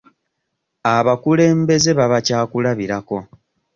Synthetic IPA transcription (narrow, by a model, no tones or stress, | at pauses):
aβakule̞ːmbe̞ze̞βaβacaːkulaβiɾako̞